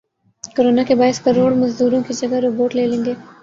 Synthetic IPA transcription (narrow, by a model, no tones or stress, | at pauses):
koɾoːnakebaːɪskɐɾoːɽmɐzd̪uːɾõkid͡ʒɐɡaɾoːboːʈleːlẽːɡ̪eː